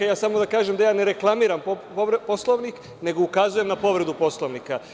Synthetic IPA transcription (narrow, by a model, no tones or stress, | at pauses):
jaːsamo̞d̪akaːʒemd̪ajaːne̞ɾe̞klˠamiːɾamp | po̞slˠoʋnik | ne̞ɡo̞ukazuje̞mnapo̞ʋɾe̞d̪upo̞slˠoʋnika